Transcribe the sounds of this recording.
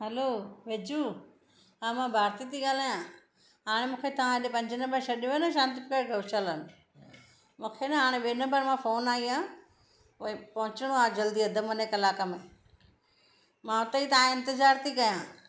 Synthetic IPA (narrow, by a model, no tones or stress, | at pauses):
ɦɛloːʋeːd͡ʑuː | ɦãːmãbʱaːɾt̪it̪ʰiɠaːlaːjã | ɦaːɽ̃emũːkʰet̪ɐʋãeɗepɐ̃ɲd͡ʑənɐ̃mbəɾʃɐɗjũaːnɐʃãːnt̪ipɪkəɾɡɐʋʃələnɪ | mũːkʰenɐɦaːɽ̃eɓeːnɐ̃mbəɾmãfoːnaːiãː | oepɐɦʊ̃t͡ɕɪɽ̃oaːd͡ʑɐld̪iɐd̪ʱəmɐnekɐlaːkəmẽ | mãʊt̪əit̪ɐãɪ̃nt̪ɪzaːɾt̪ʰikɐjãː